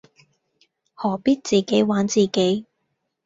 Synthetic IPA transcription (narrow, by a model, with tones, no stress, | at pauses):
hɔː˨˩piː˥t̚t͡siː˨ke˨˥jwaː˨˥nt͡siː˨ke˨˥j